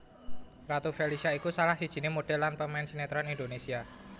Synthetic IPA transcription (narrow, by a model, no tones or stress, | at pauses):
rat̪ufelisiaikusalahsid̥ʒ̥i̤nimoɖ̥ɛlːanpəmaɪnsinet̪ɾanindonesia